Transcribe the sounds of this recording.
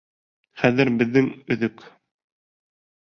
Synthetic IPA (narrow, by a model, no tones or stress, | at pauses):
χæðɘɾbɘ̆ðːɘŋɵ̆ðɵk